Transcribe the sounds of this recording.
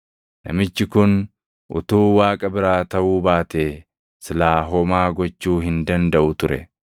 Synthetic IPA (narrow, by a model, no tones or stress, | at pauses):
nɐ̰mɪt͡ʃːɪkʊn | ʔʊ̰t̪uːwaːkʼɐbɪɾaːt̪ɐʔuːbaːt̪eː | sɪlaːɦɔmaːɡɔt͡ʃːuːɦɪnd̪ɐnd̪ɐʔʊt̪ʊɾɛ̰